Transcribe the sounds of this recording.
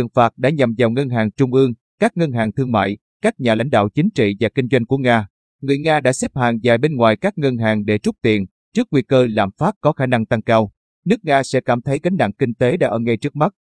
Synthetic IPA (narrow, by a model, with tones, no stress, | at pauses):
əŋfaː˨˩t̚ɗa̰ː˧˥ɲa˨˩mza˨˩wŋə˧nɦaː˨˩ŋt͡ɕʊ˧ŋ͡mʔɨ˧əŋ | kaː˦˥k̚ŋə˧nɦaː˨˩ŋt̪ʰɨ˧əŋma̰ː˧˨j | kaː˦˥k̚ɲaː˨˩la̰˧˥˩ŋ̟ɗa̰ː˧˨wt͡ɕï˨˦ŋt͡ɕḭ˧˨vaː˨˩kï˧ŋ̟zwa˧jŋ̟ku˧˩əŋaː˧ | ŋɨ˨˩əjŋaː˧ɗa̰ː˧˥sɛ˦˥p̚haː˨˩nzaː˨˩jɓe˧nŋwa̰ː˨˩jkaː˦˥k̚ŋə˧nɦaː˨˩ŋɗe˧˩t͡ɕʊ˦˥k͡p̚t̪ḭ˧˨ən | t͡ɕɨ˦˥ək̚wi˧kəː˧la̰ː˧˨mfaː˦˥t̚kɔ˨˦xaː˧˩na˧ŋt̪a˧ŋkaː˧w | nɨ˦˥ək̚ŋaː˧sɛ̰˧˥kaː˧˩mt̪ʰə˨˦jɣa˨˦jŋ̟ɗa̰˧˨ŋkï˧ŋ̟t̪e˨˦ɗa̰ː˧˥ʔəː˧˩ŋə˧jt͡ɕɨ˦˥ək̚ma˦˥t̚